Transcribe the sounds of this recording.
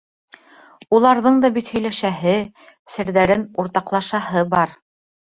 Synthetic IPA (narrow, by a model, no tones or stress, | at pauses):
ulˠɑɾðɤɴd̪ɑbit̪hɵ̆jlæʃæɦɘ | sɘ̆ɾðæɾɘnuɾt̪ɑqlˠɑʃɑhɤbɑɾ